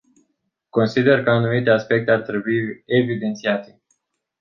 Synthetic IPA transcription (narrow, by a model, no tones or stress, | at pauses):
ko̞nsid̪e̞rkəanumit̪e̞aspe̞k̚t̪e̞art̪ɾe̞buievid̪e̞nt̪siat̪e̞̥